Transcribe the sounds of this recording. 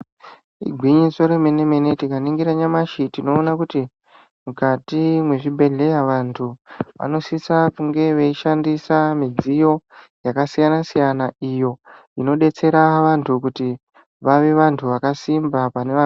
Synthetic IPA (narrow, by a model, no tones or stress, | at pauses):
ḭɡʱwiɲiso̞ɾemeneme̞netikaniŋɡiɾaɲamaʃitino̞ːnakuti | mukatimwe̞ʐibʱe̞ɮe̞jaʋantʰuʋa̰no̞sisakuŋɡe̞ʋeiʃandisamid͡zijo̞ | jakasijanasijanaijo̞ | ino̞ɗe̞t͡se̞ɾaʋantʰukuti | ʋaʋe̞ʋantʰuʋakasimbapane̞a